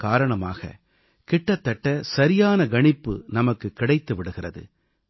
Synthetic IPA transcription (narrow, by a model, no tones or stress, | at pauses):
kaːɾɐɳɐma̰ːɣɐ̰ | kɪʈːɐt̪ːɐʈːɐsɐɾɪjaːnɐɡɐɳɪpːɯ̰nɐmɐkːɯkːɪɽɐɪt̪ːɯʋɪɽɯɣɪrɐ̰ðɯ̰